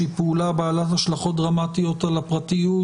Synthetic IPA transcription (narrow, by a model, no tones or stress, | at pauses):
ipulabaːlat̪haʃlaχo̞t̪̚dʁamat̪ijo̞t̪alapʁatiju